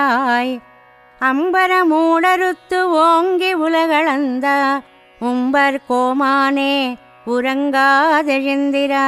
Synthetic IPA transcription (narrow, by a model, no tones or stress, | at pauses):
aj | ɐmbɐɾɐmuːɽɐɾɯt̪ːɯʋoːŋɡiʊlɐɣɐɭɐnd̪ɐ | ʊmbɐɾkoːmaːneː | ʊɾɐŋɡaːðɪɻɪnd̪ɪɾa